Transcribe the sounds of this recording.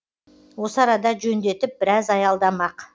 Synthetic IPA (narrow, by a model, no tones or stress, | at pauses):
wo̞səɑɾɑd̪ɑʒɵnd̪e̞t̪ɪp̚bɪɾɑzɑjɑlˠd̪ɑmɑq